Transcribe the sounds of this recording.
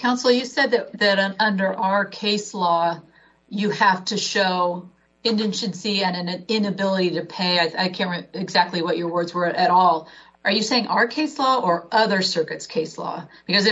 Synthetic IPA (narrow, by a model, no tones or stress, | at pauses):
kʰãʊ̃nsl̩ˠjɨsɛd̪̚ðɨɾðɨɾʌ̃ʌ̃ndə˞ʔaə˞kʰeɪslɔ | jɨhæftʰɨʃoʊ | ɨ̃ndɨ̃nʃɨ̃nsiɨ̃nɨ̃nɨɪ̃nɨbɪlˠəɾiɾɨpʰeɪaɪaɪkʰæ̃nt̚ɹɪɨɡzæk̚tˡliwʌt͡ʃə˞wɜ˞dzwə˞ʔɨɾɔlˠ | ʔə˞jɨseɪɪ̃ŋʔəə˞kʰeɪslɔə˞ʌðə˞sɜ˞kɨtskʰeɪslɔ̰b̥ɨkʌzɨ